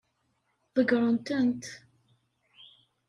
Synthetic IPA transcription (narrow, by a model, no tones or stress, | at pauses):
ðəɡɾˤənt̪ənt̪